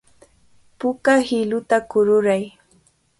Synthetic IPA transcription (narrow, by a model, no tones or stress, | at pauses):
pʊkahɪlʊt̪akʊɾʊɾaj